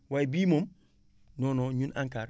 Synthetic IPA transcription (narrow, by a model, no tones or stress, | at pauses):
waibimom | nonoɲunʔãŋkaɾ